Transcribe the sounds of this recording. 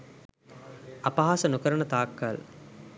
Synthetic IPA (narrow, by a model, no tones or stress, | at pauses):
apaɦaːsənukəɾəɳət̪aːkːal